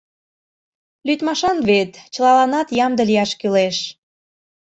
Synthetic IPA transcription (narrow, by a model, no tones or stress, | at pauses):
lyt̪mɑʃɑnβet̪t͡ɕə̆lɑlɑnɑt̪jɑmd̪əliɑʃkyleʃ